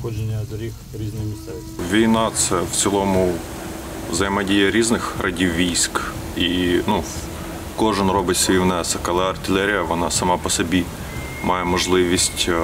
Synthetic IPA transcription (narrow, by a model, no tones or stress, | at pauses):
ɔd͡ʒenʲɐzɾʲix | ɾʲiznɪxmʲit̪ɛ | ʋʲijnɑt̪sɛwt͡sʲilˠɔmʊ | zɐjmɐdʲijɐɾʲiznɪxrʔɐdʲiwʋʲijsʲk | inu | kɔʒɪnrɔbɪtʲsʲʋʲiwnɛsɐkɐlˠɛɐrt̪ɪlʲɛɾʲijɐʋɔnɑsɐmɑpɔsɔbʲi | mʔɑjɛmɔʒlˠɪʋʲisʲtʲ